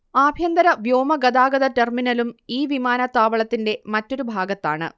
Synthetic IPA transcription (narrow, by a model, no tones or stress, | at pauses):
aːbʱjɐnd̪ɐɾɐʋjoːmɐɡɐd̪aːɡɐðɐterminɐlumiːʋimaːnɐt̪ːaːʋɐɭɐt̪ːinde̞mɐtːo̞ɾubʱaːɡɐt̪ːa̰ːɳɨ̰